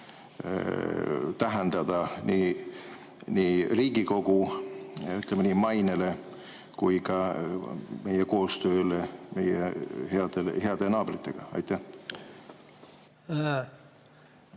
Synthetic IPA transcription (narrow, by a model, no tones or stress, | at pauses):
t̪æɦend̪̥ɑd̪̥ɑni | niːriːɡ̥iko̞ɡ̥u | yt̪ːˑlemenimɑjnele̞ | kujkɑ | me̞jeko̞ːst̪ø̞ːleme̞jḛheɑd̪̥elhe̞ɑd̪̥e̞nɑːb̥rit̪ːˑe̞̰ɡ̥ɑɑ̰jt̪ːˑæh